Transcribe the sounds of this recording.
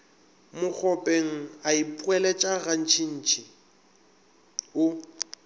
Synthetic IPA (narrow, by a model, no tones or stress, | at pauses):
mʊk͡xʰɔpʼeŋ̩aipʼwɛlɛt͡ʃʼaɣan̩t͡ʃʰʼin̩ːt͡ʃʰʼi | ʊ